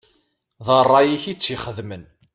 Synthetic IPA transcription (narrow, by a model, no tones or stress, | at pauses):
ðˤərˤːɑjiçit͡sːiχəðmən